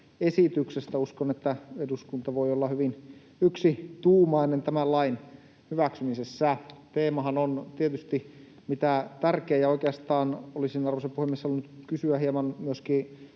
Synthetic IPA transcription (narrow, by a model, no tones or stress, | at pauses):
esit̪yksest̪æuskonet̪ːæeduskunt̪ɑʋoiolːɑhyʋin | yksit̪uːmɑinent̪æmælɑin | hyʋæksymisesːæt̪eːmɑhɑnont̪iet̪yst̪i | mit̪æt̪ærkeːjɑoikeɑst̪ɑːnolisinɑrʋosepuhemːˑieshɑlːunut̪kysyæhiemɑnmyøskiː